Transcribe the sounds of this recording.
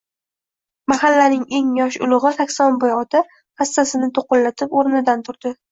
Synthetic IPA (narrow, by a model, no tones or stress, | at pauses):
mahalːanɪŋe̞ŋjɒʃʊ̰lˠɨʁɨsakʲsɒnbojɒt̪ʰa | hast̪asɪnɪt̪ʰoqʊnlat̪ʰɪpoɾɪnɪd̪ant̪ʰʊɾd̪̥ɪ